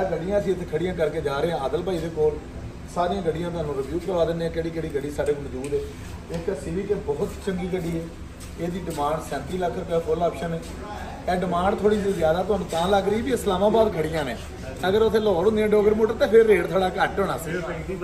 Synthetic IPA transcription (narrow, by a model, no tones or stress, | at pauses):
ɡəɖɪjãːəsĩːət̪ʰeːkʰəɽɪjãːkəɾkeːd͡ʒaːɾeːãːəd̪əlpaːiːd̪eːkoːl | saːɾɪjãːɡəɖɪjãːt̪̬ʊɦaːnũːɾəbjuːəɾʋaːd̪ɪnːeːãːkɛːɽiːkeːɽiːɡəɽiːsaːɖeːkomd͡ʒuːd̪ɛː | ɪksɪʋiːkeːbɔːʊt̪t͡ʃəŋɡiːɡəɖiːɛː | eːd̪iːɖɪmãːɳɖsɛ̃ːnt̪iːləkʰːəɾkɛpʰʊlɔːpʃəneː | ɛ̃ːɖɪmãːɳɖt̪ʰoːɽiːd͡ʒizjaːd̪aːt̪ʊɦaːnũːt̪ãːləɡɾəibiːɪslaːmãːbaːd̪kʰəɽɪjãːnḛː | əɡəɾot̪ʰeːlɔːɾʊ̃nd̪eãːɖoːɡəɾmoːʈəɾt̪eːpʰɪɾːeːɽt̪ʰaːɽaːkəʈɦoɳaːsi